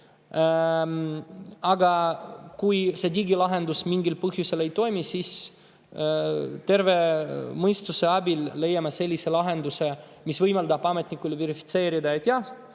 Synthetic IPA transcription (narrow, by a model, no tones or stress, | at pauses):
ɑɡɑkujse̞d̪ʲiɡilɑɦe̞nd̪usmiŋɡilpɤɦjuse̞le̞jt̪o̞jmisiːs | t̪e̞rve̞mɤjst̪use̞ɑbilːe̞jːɑmɑse̞lʲːise̞lɑɦe̞nd̪use̞ | misvɤjmɑld̪ɑbɑme̞t̪ʲnikːˑuleveɾifi̥t̪se̞ːɾid̪ɑjet̪ʲjɑs